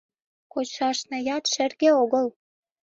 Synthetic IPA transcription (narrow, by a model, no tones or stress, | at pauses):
kot͡ɕɑʃnĕjɑt̪ʃɘ̆rɣĕoɣəl